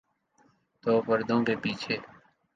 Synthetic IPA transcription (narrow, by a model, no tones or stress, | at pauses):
t̪oːpəɾd̪õːkeːpiːt͡ʃʰeː